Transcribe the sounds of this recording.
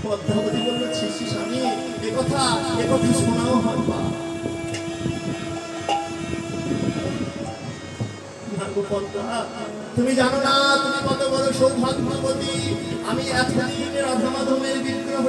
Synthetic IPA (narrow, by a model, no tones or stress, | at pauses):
pɔd̪ːʱabod̪ibonːot͡ɕʰiʃiʃami | ekɔt̪ʰaebɔbʱiʃonaoɦɔɾpa̰ | bʱanbopɔd̪ːaa | t̪umid͡ʑanonat̪umikɔt̪obɔɾoʃoŋbʱaɡbʱabod̪iamiɛkband̪ʱikeɾɔd̪ʱamad̪ʱomeɾbiɾd̪ioɦ